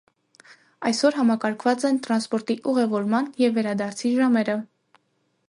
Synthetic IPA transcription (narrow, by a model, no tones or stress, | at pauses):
ɑjsɔɾɦɑmɑkɑɾkʰvɑt͡sɛnt̪ɾɑnspɔɾt̪iʔuʁɛvɔɾmɑnjɛvːɛɾɑd̪ɑɾt͡sʰiʒɑmɛɾə